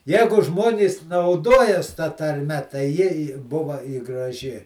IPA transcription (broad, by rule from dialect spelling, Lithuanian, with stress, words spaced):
ˈjæːɡʊ ˈʒmoːnʲiːs nɐʊˈdoːjɛs tɐ tɐrʲˈmʲɛ tɐɪ ˈjɪ ɪ ˈbʊʋɐ ɪ ɡrɐˈʒʲɪ